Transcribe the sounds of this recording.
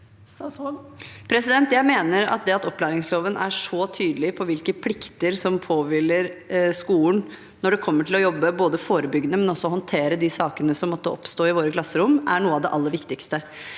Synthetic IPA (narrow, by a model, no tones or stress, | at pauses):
pʰɾɛsɪd̪ɛnt̪jæɪmeːnəɾɑ̰t̪̚d̪ɛɑt̪ɔpːlæːɾɪŋsloːʋənʔæ̰ʂɔt̪ʰyːd̪əlɪpʰɔʋɪlkəpʰlɪkt̪əɾsɔmpʰoːʋɪlːəɾskuːn | nɔɖɛkʰɔmːəʈʰɪlɔjɔbːəboːd̪əfoːɾəbʏɡənəmɛnɔsːɔɦɔnt̪ʰeːɾəd̪ɪsɑːkənəsɔmːɔt̪ːəɔ̰pst̪oːɪʋoːɾəkʰlɑsːəɾʊmæɳuːəɑʋd̪ɛʔɑlːəɾʋɪkt̪ɪkst̪ə